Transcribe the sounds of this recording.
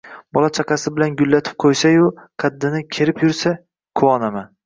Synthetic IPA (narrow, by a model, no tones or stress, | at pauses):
bɒlˠat͡ʃʰɑqʰɑsɪbɪlanɡʊlːat̪ʰɪ̥p̚qʰojsajʊqʰɑd̪ːɪnɪkʲʰe̞ɾɪpjʊɾsa | kʰʊwɒnaman